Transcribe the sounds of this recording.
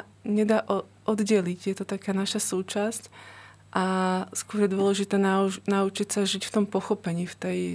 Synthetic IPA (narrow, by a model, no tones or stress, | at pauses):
ɲɛd̪aːʔɔ | ʔɔd̪ɟɛliɟjɛt̪ɔt̪akaːnaʃasuːt͡ʃasc | ʔaskʊɔɾjɛd̪ʊɔlɛʒit̪ɛːnanaut͡ʃicsaʒicft̪ɔmpɔxɔpɛɲiːft̪ɛj